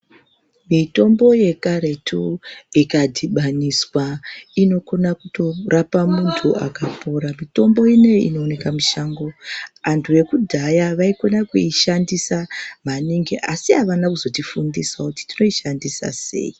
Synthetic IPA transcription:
mito̞mbo̞je̞kaɾe̞tʰuikadʱiɓaniswaino̞ko̞nakuto̞rʔapamuntʰuʔa̰kapoɾamito̞mbo̞ine̞ḭno̞ːne̞kamiʃaːŋɡo̞antʰuʋe̞kudʱajaʋaiko̞nakuiʃandisamaniŋɡeʔasiɦaʋanakuzo̞tifundiswakuti̥tino̞iʃandisa̰se̞̰i

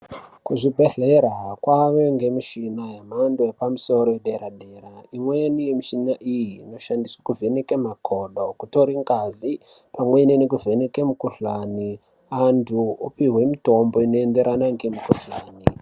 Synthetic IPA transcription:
kuʐibʱe̞ɮeɾakwaʋe̞ŋɡe̞miʃinaɦemandojepamuso̞ɾojeɗeɾaɗe̞ːɾaimwenijemiʃinaʔijiːno̞ʃandiswḁkuvʱe̞nekemakʰoɗokuto̞ɾiŋɡazi | pamwe̞nenekuvʱe̞ne̞kemukuɬani | antʰuopiɦwe̞mito̞mbo̞ino̞ende̞ɾanaŋɡe̞mukuɬaːni

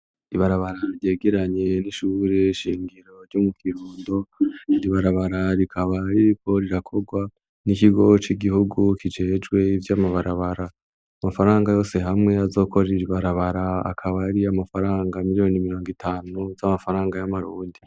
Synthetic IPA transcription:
iβaɾaβaɾaɾje̞ːɡeɾaɲe̞niʃuːɾeʃiːŋɡiɾo̞ɾɟomukʰiɾuːndo̞iɾiβaɾaβaɾaɾikʰaβaɾiɾikʰo̞ɾiɾakʰo̞ɡwa | nikiɡo̞t͡ʃiɡihuɡukid͡ʒe̞ːd͡ʒɡwe̞ivjaːmaβaɾaβaɾaː | mafaɾaːŋɡajo̞ːse̞ɦamŋe̞azo̞ːko̞ɾeɾiβaɾaβaɾaa̰kʰaβaɾiamafaɾaːŋɡamiɾijo̞nimiɾo̞ːŋɡitʰaːnuzamafaɾaːŋɡajamaɾuːndi

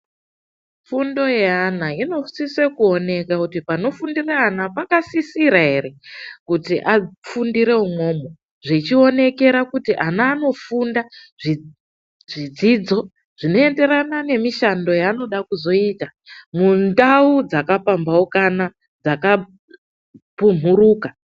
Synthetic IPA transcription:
fundo̞jeanaino̞sisekuo̞ne̞kakutipano̞fundiraːnapakasisiɾaɦe̞re̞kutiʔafundiɾe̞umo̞mo | ʐit͡ʃio̞ne̞ke̞ɾakutiʔanaːno̞fundaʐi | ʐid͡zid͡zo̞ | ʐ̥ino̞e̞nde̞ɾanane̞miʃando̞jaːno̞ɗakuzo̞itamundaud͡zakapambaukana | d͡zaka | pum̤uruːka

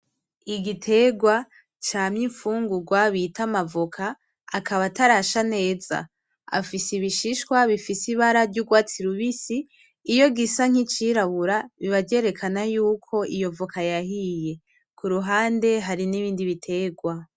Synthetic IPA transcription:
iɡitʰe̞ɡwa | t͡ʃaːmɲiɱfuːŋɡuɡwaβitamavokʰaː | kʰaβataɾaʃane̞ːza̰ | a̰fisiβiʃiʃkwaβifisiβaɾavɟuɡwaːt͡siɾuβisiː | jo̞ɡisaŋ̥it͡ʃiɾaβuɾaβiβaɟe̞ːɾe̞kʰanajuːkʰo̞ʔijo̞vokʰajahije̞ | kuɾuɦaːnde̞ɦaɾiniβiːndiβitʰe̞ɡwa

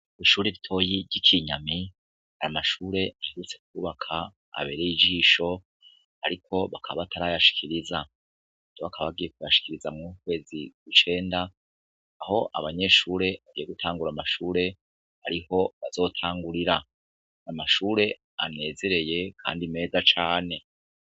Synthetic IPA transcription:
iʃuːɾeβitʰo̞ːjiɾɟikʰiɲami | ha̰amaʃuːɾe̞ʔaheɾut͡se̞k̚uːβakʰa | a̰βe̞ːɾejid͡ʒiʃo̞ | aɾikʰo̞βakʰaβaβatʰaɾajaʃi̥kʰiɾiza | doβakʰaβaɡiːje̞k̚ujaʃi̥kiɾizamŋukwe̞ːziɡut͡ʃe̞ːndaː | ho̞ʔa̰βaɲe̞ʃuːɾe̞βaɡijeɡutʰaːŋɡuɾamaʃuːɾe̞ | ha̰ɾiho̞βaz̥o̞ːtʰaːŋɡuɾiɾa | amaʃuːɾe̞ | a̰ne̞ze̞ɾe̞je̞kʰa̰ːndime̞ːzat͡ʃaːne̞

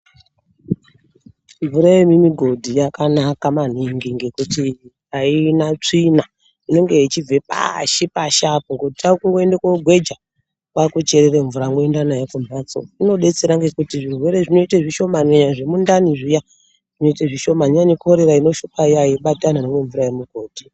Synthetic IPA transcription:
ɱvuɾajemimiɡʱo̞dʱijakanakaman̤iŋɡiŋɡekuti | ainat͡ʂina | ino̞ŋɡe̞it͡ʃib͡vepa̰ʃipaʃapuŋɡotitaukuŋɡo̞endekoɡʱwe̞d͡ʒa | kwakut͡ʃe̞ɾeɾe̞ɱvuɾaŋɡo̞endanajekumat͡so̰ino̞ɗe̞t͡seɾaŋɡe̞kutiʐirwe̞ɾeʐino̞itaʐiʃo̞maneɲaʐe̞mundaniʐija | ʐ̥ino̞iteʐiʃo̞maɲaniko̞ɾeɾaino̞ʃupaijaiɓatananemwe̞ɱvuɾajemiɡʱo̞ːd̥ʱi

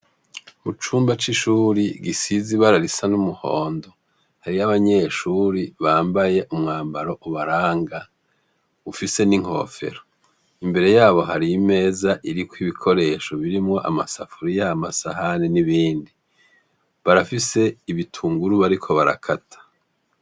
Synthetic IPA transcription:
mut͡ʃuːmbat͡ʃiʃuːɾiɡisiziβaɾaɾisanumuho̞̰ːndo | haɾiaβaɲe̞ʃuːɾiβaːmbaje̞ʔumŋaːmbaɾo̞ʔuβaɾaːŋɡa | ufise̞niŋ̥ho̞̰ːfe̞̰ɾo | imbe̞ɾe̞jaːβo̞ɦaɾiːme̞ːzaʔiɾikwiβikʰo̞ɾe̞ːʃo̞βiɾimŋo̞ʔa̰masafuɾijaːmasahaneniβiːndi | βaɾafise̞iβitʰuːŋɡuɾuβaɾikʰo̞βaɾa̰kʰatʰḁ

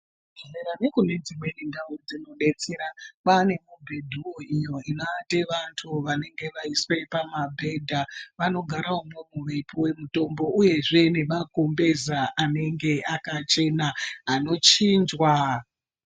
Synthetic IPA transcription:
eɾanekune̞d͡zimwenindaud͡zino̞ɗe̞t͡seɾapane̞mubʱe̞dʱuoijo̞inoateʋantʰuʋane̞ŋɡe̞ʋaiswepamabʱe̞dʱaʋano̞ɡʱaɾaomomuʋe̞pʰowe̞muto̞mbo̞ʔuje̞ʐe̞ne̞mako̞mbe̞zaʔane̞ŋɡe̞akat͡ʃe̞naːno̞t͡ʃiːnd͡ʒwa

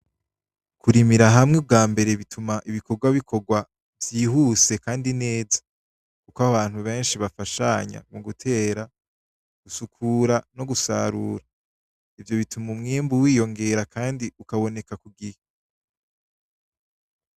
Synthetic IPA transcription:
kʰuɾimiɾaɦamŋeb̚ɡaːmbe̞ɾe̞βitʰumaʔiβiko̞ɡwaβikʰo̞ɡwa | vjiːhuːse̞kaːndine̞ːzḁ | kukwaβaːn̥huβe̞ːnʃiβafaʃa̰ɲa̰muɡutʰe̞ːɾa | ɡ̥usukʰuːɾano̞ɡusa̰ɾuːɾa | ivjo̞βitumumŋiːmbuwiːjo̞ŋɡe̞ɾakʰaːndiukaβo̞ne̞kakuɡihe

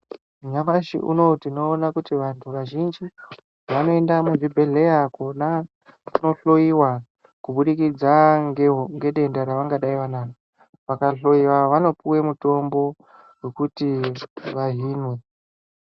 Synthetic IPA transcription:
ɲamaʃḭʔṵno̞tino̞ːnakutiʋantʰuʋaʒind͡ʒi | ʋano̞e̞ndamuʐibʱe̞ɮe̞jakona | kuno̞ɬo̞iwa | kuɓuɗikid͡zaɦŋɡe̞ɗe̞ndaɾaʋaŋɡaɗaiʋanaːna | ʋakaɬo̞iwaʋano̞puwe̞muto̞mbo̞ | we̞kutiʋaɦiːnwe̞

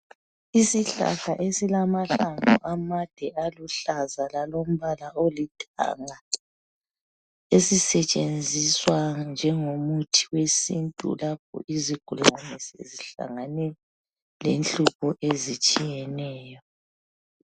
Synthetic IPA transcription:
isiɬa̰ɬaʔesilamaɬaŋɔ̰ʔamad̥ʱɛʔaluɬazalalom̩βalaʔolitʰa̰ŋa | esisɛt͡ʃʼend͡zʱiswand͡ʒʱɛŋomutʰiwesintʼṵlap̚ʰɔ̰ʔiziɡ̥ʱuluanɛsḛziɬa̰ŋanɛ | lenɬupʰɔʔezit͡ʃʼijɛnɛːjɔ

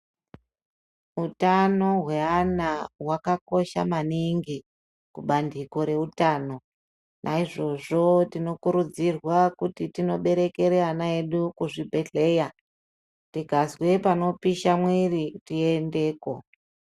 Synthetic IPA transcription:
utano̞ɦwe̞anaɦwakako̞ʃa̰maniŋɡi | kuɓandiko̞ɾe̞utano̞ | nʔaiʐo̞ʐo̞tino̞kuɾud͡zirwakutitino̞ɓe̞ɾe̞ke̞ɾeanaeɗukuʐibʱe̞ɮe̞ja | tiɡʱazwe̞pano̞piʃamwiritiende̞ːko̞

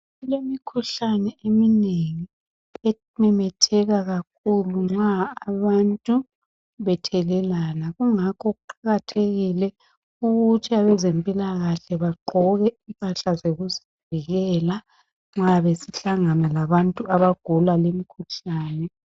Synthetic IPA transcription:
lemikʰuɬanɛemineŋi | ɛ | mɛmɛtʰɛɣaɣak̚ʰuluŋ͡ǁaːβantʼu | βɛtʰɛlɛlanaɣuŋakʰɔɣuǃaɣatʰeɣilɛ | uɣutʰiaβɛzempʼilaɣaɬɛβaǃʱɔɣɛimpʼaɬazeɣuzi | viɣɛːla | ŋ͡ǁaβesiɬaŋanalaβantʼuʔaβaɡ̥ʱulwalemikʰuɬaːnɛ

